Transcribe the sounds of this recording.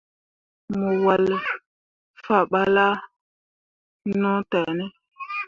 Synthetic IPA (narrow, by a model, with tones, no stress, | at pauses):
mo˨wa˨l | fa˦˨ɓa˦la˦ | nɔ˦tɛ˨nɛ˦